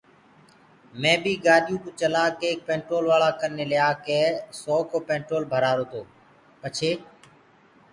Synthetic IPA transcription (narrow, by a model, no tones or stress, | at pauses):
mẽːbʱiːɡaːɗjũːkʊt͡ʃəlãːkeːk̚pẽːɳʈɾoːlʋaːɭaːkənːeːlɪjaːkeːsɔːkoːpẽːɳʈɾoːlbʱəɾaːɾoːt̪ʰoː | pət͡ʃʰeː